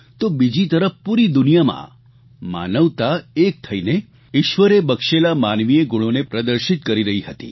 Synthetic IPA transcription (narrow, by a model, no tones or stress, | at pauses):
t̪obid͡ʒit̪əɾəfpuɾid̪unijamã̰ | ma̰nəʋt̪aek̚t̪ʰəine | iʃʋəɾebəkʃelamanʋijeɡuɽ̃onepɾəd̪əɾʃit̪̚kəɾiɾəɦiɦət̪ḭ